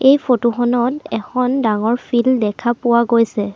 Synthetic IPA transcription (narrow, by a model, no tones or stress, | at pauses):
ejpʰotuxɔnɔtɛkʰɔndaŋɔɹpʰildɛkʰapʊwaɡojsɛ